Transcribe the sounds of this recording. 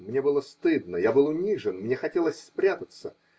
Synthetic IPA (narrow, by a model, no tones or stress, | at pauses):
mnʲe̞bɨlˠəst̪ɨd̪̚nəjabɨlˠʊnʲiʐɨnmnʲexɐtʲelˠəsʲspɾʲat̪ət̪sə